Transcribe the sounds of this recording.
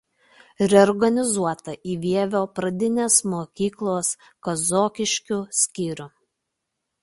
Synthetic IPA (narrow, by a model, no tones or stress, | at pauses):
ɾʲɛɔɾɡɐnʲɪzuɔt̪ɐʔiːʋʲiɛʋʲoːpɾɐd̪ʲɪnʲeːsmoːkʲiːklˠoːs | kɐzoːkʲɪʃʲkʲʊsʲkʲiːɾʲʊ